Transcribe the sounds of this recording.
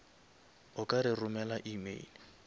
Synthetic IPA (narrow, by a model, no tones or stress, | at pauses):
ʊkʼaɾɪrʊmɛlaʔimḛli